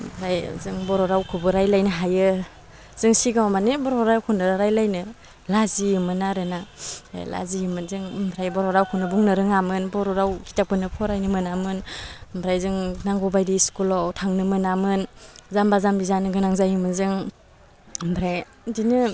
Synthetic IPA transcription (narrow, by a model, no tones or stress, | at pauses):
bʰɾajzɯŋbɔɾɔɾawkʰubɯɾajlajnɯɦajɯ | z̥ɯŋsiɡawmanebɔɾɔɾawkʰunɯɾaɾajlajnɯ | lazijɯmɯnaɾɯna̰la̰zijɯmɯnzɯŋmbʱɾajbɔɾɔɾawkʰɯnɯbuŋnɯɾɯŋamɯnbɔɾɔɾawkitak̚pɯnɯpʰɔɾajnɯmɯnamɯnmbʰɾajzɯŋnaŋɡɔbajdiskulɔwtʰaŋnɯmɯnamɯnzambazambizanɯɡɯnaŋzajɯmɯnzɯŋ | mbɾaj | dinɯ